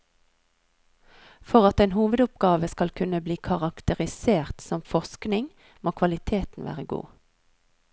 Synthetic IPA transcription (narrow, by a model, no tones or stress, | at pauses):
fɔʁɑt̪eːnhuːʋəd̪ʊp̚ɡɑːʋəskɑlkʰʉnəbliːkʰɑʁɑkt̪əʁɪseːʁt̪sɔmfɔʁsknɪŋ | moːkʰʋɑlɪt̪ʰeːt̪n̩ʋæ̰ːʁəɡṵː